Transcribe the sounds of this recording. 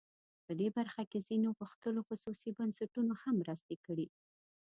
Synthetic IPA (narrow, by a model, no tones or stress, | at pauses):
pəd̪ebaɾxakezinoɣuxt̪əloxususibansaʈunohamːɾəst̪ekəɽi